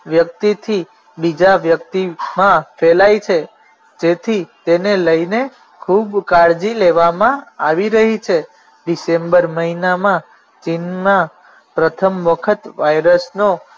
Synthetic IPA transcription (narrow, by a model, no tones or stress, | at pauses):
ʋjək̚t̪it̪ʰi | bid͡ʒaʋjək̚t̪imãfelajt͡ʃʰe | d͡ʒet̪ʰit̪eneləine | kʰubkaɭd͡ʒileʋamãaʋiɾəɦit͡ʃʰe | ɖisembəɾməɦinamã | t͡ʃinmã | pɾət̪ʰəmʋəkʰət̪ʋajɾəsno